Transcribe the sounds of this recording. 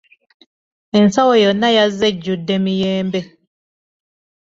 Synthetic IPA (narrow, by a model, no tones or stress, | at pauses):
ɛn̩sawɔjɔnajazɛd͡ʒudɛmijɛːmbɛ